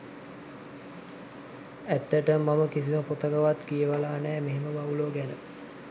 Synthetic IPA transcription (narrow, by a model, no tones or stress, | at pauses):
æt̪ːəʈəmaməkis̬iməpot̪əɡəʋat̪kijəʋalaːnɛːmeɦeməbauloːɡænə